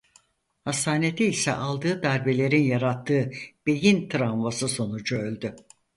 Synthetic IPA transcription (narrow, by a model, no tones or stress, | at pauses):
hast̪aːne̞t̪ʰiːsɛ̰ʔalˠd̪ɯːd̪aɾbe̞lʲe̞ɾinjaɾat̪ʰːɯːb̥e̞jint̪ʰɾaɱvasɯso̞nud͡ʒuølʲd̪y